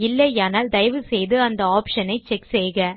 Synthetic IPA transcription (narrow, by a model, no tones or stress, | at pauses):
ɪlːɐaːnaːld̪ɐjʋɯsɛjðɯɐnd̪ɐaːpʂɐnɐɪt͡ʃɛksɛːɣɐ